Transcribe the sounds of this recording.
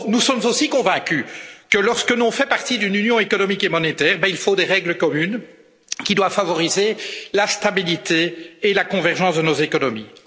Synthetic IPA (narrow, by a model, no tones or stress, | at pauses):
nusɔmzosikɔ̃vɛ̃kʲykəlɔʁskənɔ̃fɛpaʁt̪id̪ynynjɔ̃ekɔnɔmikemɔnet̪ɛːʁbɛilfod̪eʁɛɡləkɔmyn | kʲid̪wafavɔʁizelast̪abilit̪eːlakɔ̃vɛʁʒɑ̃ːsd̪ənozekɔnɔmi